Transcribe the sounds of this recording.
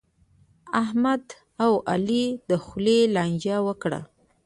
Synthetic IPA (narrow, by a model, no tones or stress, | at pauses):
ahmad̪ | awalid̪əxlelɑnd͡ʒawəkɽa̰